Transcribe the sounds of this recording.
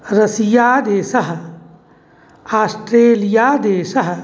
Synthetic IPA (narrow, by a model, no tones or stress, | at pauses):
ɾɐsijaːd̪eːsɐɦɐ | aːsʈɾeːlijaːd̪eːsɐɦɐ